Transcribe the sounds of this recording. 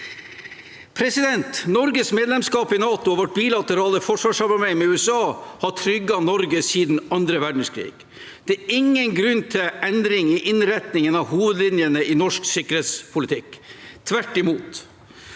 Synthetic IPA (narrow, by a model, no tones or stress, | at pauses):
pʰɾɛsɪd̪ɛnt̪nɔɾɡəsmeːd̪lɛmskɑːpɪnɑːt̪ʊɔʋɔʈ̚biːlɑt̪əɾɑːləfɔʂʋɑːʂɑbɑmæɪmɛʉːɛsɑːhɑʈʰɾʏɡːɑnɔɾɡəsiːd̪n̩ɑnd̪ɾəʋæɖɳ̩skʰɾḭːɡ̥ | d̪̥ɛæːɾɪŋːənɡɾʉnːt̪ʰɪlʔɛnd̪ɾɪŋɪʔɪnɾɛt̪nɪŋənɑʋhuːʋəd̪lɪnjənəʔinɔʂksʏkəɾheːt̪spʰʊlɪt̪ʰɪkt̪ʰʋæʈːɪmuːt̪